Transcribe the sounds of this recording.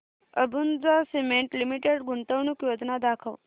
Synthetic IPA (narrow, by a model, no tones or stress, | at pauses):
əbund͡zasemeɳʈlimiʈeɽɡuɳt̪əʋɳukjod͡znad̪akʰəʋ